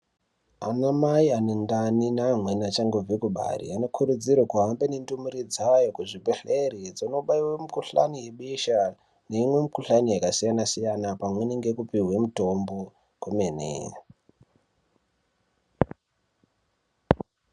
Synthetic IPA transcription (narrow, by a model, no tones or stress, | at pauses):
a̰namaianendaninaːmwenat͡ʃaŋɡovikuɓa̰rḭano̞kʰuɾud͡zirwakuɦambenendumuɾid͡zawajokuʐibʱeɬeɾid͡zonoɓaiwemukuɬa̰nijeɓiʃa | ne̞imwe̞mikuɬanijakasijanasijanapamweneŋɡekupiɦwemuto̞mbo̞ | kumenḛ